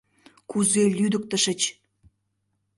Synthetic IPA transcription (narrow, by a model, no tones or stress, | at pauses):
kuzelʲyd̪ə̆k̚t̪ə̆ʃə̆t͡ɕ